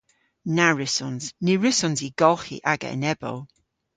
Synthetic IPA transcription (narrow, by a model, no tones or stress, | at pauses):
naɹɪsɔnzniɹɪsɔnziɡɔlˠχḭʔaɡa̰nɛbɔ̰lˠ